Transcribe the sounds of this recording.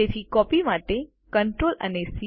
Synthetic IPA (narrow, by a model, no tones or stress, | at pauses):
et̪ʰikɔpimaʈe | kəɳʈɾolə̰nesi